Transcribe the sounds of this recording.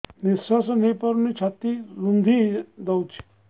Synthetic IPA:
nisasnepəɾnit͡ʃʰat̪iɾund̪ʱid̪ɐwt͡ʃʰi̥

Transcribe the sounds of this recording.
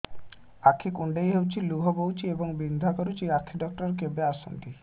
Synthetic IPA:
akʰːikuɳɖejɦewt͡ɕiluɦobowt͡ɕieboŋbind̪ʱakoɾut͡ɕiakʰːiɖɔk̚ʈoɾk̬ebeaʃo̰nd̪i

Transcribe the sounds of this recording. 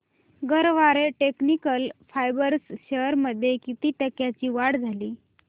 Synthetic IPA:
ɡəɾʋaɾeʈeknikəlfajbəɾsɕəɾməd̪ʱːjekit̪iːʈəkjat͡ɕiːʋaɽd͡zʱaliː

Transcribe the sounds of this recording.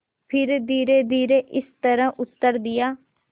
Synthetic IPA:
pʰɪɾd̪iːɾeːd̪iːɾeːʔɪst̪əɾãːʔʊt̪ːəɾd̪ɪjaː

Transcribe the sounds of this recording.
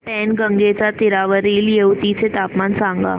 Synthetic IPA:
pɛːnɡə̃ŋɡet͡ʃat̪ɪɾaːʋəɾiːljeut̪it͡ʃʰet̪aːpmaːnsãːŋɡa̰ː

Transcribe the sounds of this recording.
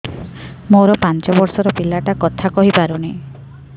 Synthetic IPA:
moɾɔpant͡ʃɔbɔɾsɔɾɔpilaʈakɔt̪ʰakɔɦipaɾuni

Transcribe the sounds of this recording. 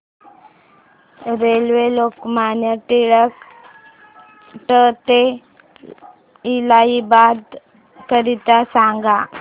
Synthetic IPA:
ɾelʋelokmanjaʈ̪iɭək | ʈət̪e | ilaibad̪ | kəɾit̪asaŋɡa

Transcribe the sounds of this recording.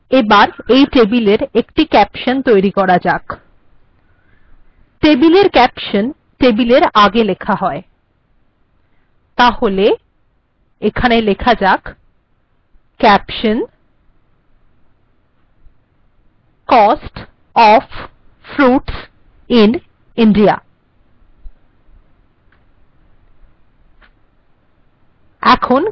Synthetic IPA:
ebaɾejʈebileɾekʈikɛpʃont̪ojɾikɔɾad͡ʑak | ʈebileɾkɛpʃon | ʈebileɾaɡelekʰaɦɔe | t̪aɦole | ekʰanelekʰad͡ʑak | kɛpʃən | kɔsʈ | ɔf | fɾuʈs | in | inɖia̰ | ɛkʰon

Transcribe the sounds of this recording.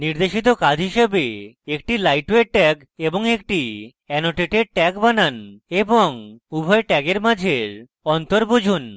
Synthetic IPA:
niɾd̪eʃit̪okad͡ʑʱɦiʃebe | ekʈilajʈweʈɛk | eboŋek̚ʈi | ɛnoʈeʈeʈɛkbananeboŋubʱɔeʈɛɡeɾmad͡ʑʱeɾ | ɔnt̪oɾbod͡ʑʱun

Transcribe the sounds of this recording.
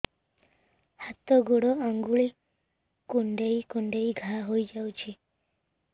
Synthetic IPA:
hat̪ɔɡuɽɔaŋɡuɭi | kuɳɖejkuɳɖejɡʱaɦojd͡ʒawt͡ʃʰi

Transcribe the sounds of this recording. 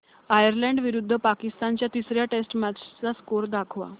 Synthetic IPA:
ajəɾlɛ̃ɳɖʋiɾud̪ʱːəpakist̪ant͡ɕjat̪isɾjaʈesʈmat͡ɕt͡saskoɾd̪akʰʋa̰

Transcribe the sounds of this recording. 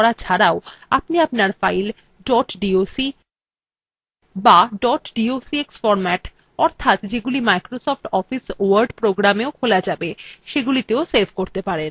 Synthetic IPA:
ɽat͡ɕʰaɾaoa̰pniapnaɾfajl | ɖɔʈɖiosi | baɖɔʈɖiosieksfɔɾmɛʈ | ɔɾt̪ʰat̪d͡ʑeɡulimajkɾosɔfʈɔfisowaɾɖpɾoɡɾameokʰolad͡ʑabeʃeɡulit̪eosebʱkoɾt̪epaɾen

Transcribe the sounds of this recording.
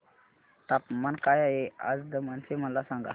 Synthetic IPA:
t̪apmankajajea̰d͡zd̪əmənseməlasãŋɡa̰

